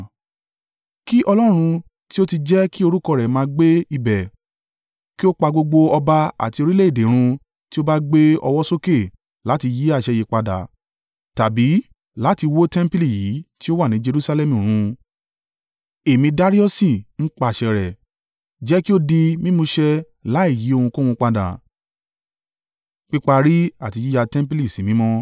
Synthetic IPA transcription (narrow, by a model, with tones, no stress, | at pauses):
ki˦ʔɔ˧lɔ˦ɾ̃ũ˧ | ti˦o˦ti˧d͡ʒɛ˦ki˦o˧ɾu˦kɔ˦˨ɾɛ˨mãː˧ɡ͡be˦i˧bɛ˨ | ki˦o˦k͡pa˧ɡ͡bo˧ɡ͡bo˧ɔ˧ba˧a̰˨ti˧o˧ɾi˦le˦˨de˨˦ɾ̃ũ˧ | ti˦o˦ba˦ɡ͡be˦ɔ̰˧wɔ˦so˦ke˦˨ | la˨˦ti˧ji˦a˦˨ʃɛ˧˨je˧k͡pa˧da̰˨˦ | ta˨bi˨˦ | la˨˦ti˧wo˦tɛ̃˦m˦pi˦li˦˨ji˨˦ti˦o˦wa˦˨nĩ˨˦d͡ʒe˧ɾu˦sa˧lɛ˦mũ˨ɾ̃ũ˨˧ | e˨mĩ˧da˦ɾi˦ɔ˦si˦˨n̩˦k͡pa˧˨ʃɛ˧ɾɛ˨ | d͡ʒɛ˨˦ki˦o˦di˧mĩ˦mũ˧ʃɛ˧ | la˨˦i˦˨ji˨˦o˦˧hũ˧ko˦hũ˧k͡pa˧da̰˨ | k͡pi˦k͡pa˧ɾi˦a˦˨ti˧ji˦ja˧tɛ̃˦m˦p̬i˦li˦˨si˨mĩ˨˦mɔ̃˦